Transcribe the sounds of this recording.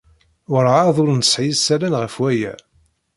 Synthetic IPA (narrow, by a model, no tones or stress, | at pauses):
wʊɾaðʊɾnsʕjisːælænʁəfwæjæ̰